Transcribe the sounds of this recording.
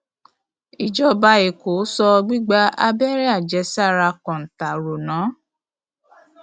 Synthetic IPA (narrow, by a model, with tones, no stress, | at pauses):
i˨d͡ʒɔ˧ba˧˦e˨ko˨˦sɔ˧ɡ͡bi˦ɡ͡ba˦a˧bɛ˦ɾɛ˦a˦˨d͡ʒɛ˨˧˦sa˦˨ɾa˧kɔ̃˨n̩˨ta˨ɾo˨nãː˨˦